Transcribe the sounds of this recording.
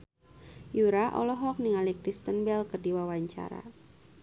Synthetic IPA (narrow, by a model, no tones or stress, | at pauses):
juɾaʔɔ̰lɔɦɔk̚niŋalikɾist̪ənbɛlkərdiwawaɲt͡ʃa̰ɾa̰